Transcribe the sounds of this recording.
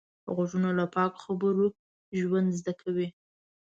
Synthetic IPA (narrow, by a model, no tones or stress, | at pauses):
ɣaʒunolapɑkxabəɾo | ʒwand̪zd̪akʰawi